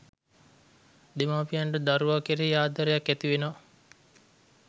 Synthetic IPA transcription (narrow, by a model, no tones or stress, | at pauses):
d̪emaːpijaɳɖəd̪aɾuʋakeɾeːjaːd̪aɾejakːæt̪iʋen